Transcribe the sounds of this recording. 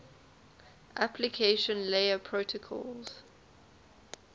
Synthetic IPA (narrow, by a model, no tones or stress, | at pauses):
ʔapʰlikʰeɪʃə̃nleɪəpʰɹotʰəkʰɔ̰lz̥